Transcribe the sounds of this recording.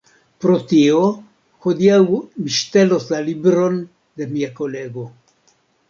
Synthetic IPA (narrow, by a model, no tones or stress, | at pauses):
pɾo̞t̪io | hod̪iawmiʃt̪e̞lo̞slalibɾo̞n | d̪e̞miako̞le̞ɡo̞